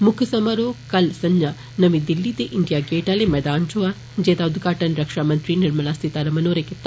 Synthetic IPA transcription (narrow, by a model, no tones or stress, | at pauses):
mʊkʰsɐmɐɾoːkɐlsɐnjɐ | nɐmid̪ilːit̪eʔɪɳɖijaːɡeːʈaːlemɛːd̪aːnt͡ʃoːa | d͡ʒeːt̪aːʊd̪ʱɡaːʈɐnɾɐkʂaːmɐnt̪ɾinɪɾmɐlaːst̪ʰit̪aːɾɐmɐnoːɾeket̪ː